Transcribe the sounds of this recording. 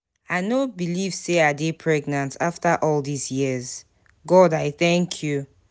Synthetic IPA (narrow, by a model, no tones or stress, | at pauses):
aɪnobiliv̥seadepʰɹɛɡnãntʰaftʰaʔɔlˠdizjiz̥ | ɡɔdaɪθɛ̃ŋkʰju